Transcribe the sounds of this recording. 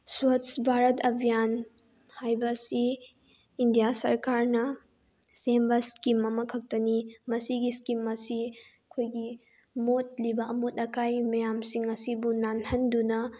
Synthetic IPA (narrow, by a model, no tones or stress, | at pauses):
swatsbʱaɾɐtɐbʱijan | hajbɐsiː | ndijasɐ̰ɾkaɾnɐ | sembɐskimːɐmɐkʰɐk̚tɐnimɐsiɡiskimɐsi | ɐkʰojɡi | mot̚libɐɐmutɐkʰajmɐjamsiŋɐsibunanhɐndunɐ